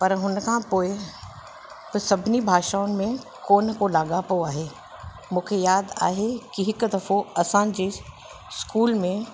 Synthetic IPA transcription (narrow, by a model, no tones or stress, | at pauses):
pɐɾɦʊnkʰãpoːɪ | bsɐbʱnibʱaːʃaːʊnɪ̆mẽ | koːnkolaːɡapoaːɦeː | mũːkʰejaːd̪a̰ːɦekiɦɪkd̪ɐfoɐsãd͡ʑeː | skuːlmẽ